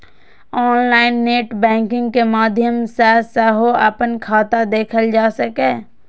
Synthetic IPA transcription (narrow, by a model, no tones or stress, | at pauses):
ɔːnlaːɪnːeːʈbɛ̃ːŋkɪ̃ŋɡkemaːd̪ʱjəmsɛsɛɦoɐ̰pənkʰaːt̪ad̪eːkʰəld͡ʒaːsəkeː